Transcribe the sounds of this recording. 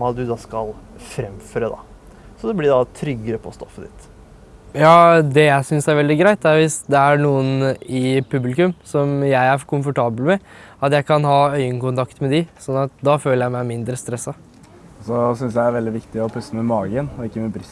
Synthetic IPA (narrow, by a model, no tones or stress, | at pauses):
ɑt̪̚d̪ʉd̪ɑskɑlfɾɛmføːɾəd̪ɑ̰ | sɔd̪ɛblɪɖɑt̪ʰɾʏɡːəɾəpʰɔst̪ɔfːəd̪ɪ̰t̪ | jɑːd̪ɛjæɪsʏnsæɾʋɛld̪ɪɡɾæɪt̪æɾʋɪsd̪ɛæɾɳuːənɪpʰʉblɪkʉmsɔmjæɪæɾkʰʊmfɔʈɑːbəlmɛ | ɑt̪jæɪkʰɑnhɑːœʏəŋkʊnt̪ɑkt̪mɛd̪ɪsɔnːɑt̪̚d̪ɑføːləjæɪmæɪmɪnd̪ɾəst̪ɾɛsːɑ | sɔsʏnsjæɪæɾʋɛld̪ɪʋɪkt̪ɪɔpʰʉsːəmɛmɑːɡənɔɪkːəmɛbɾɪs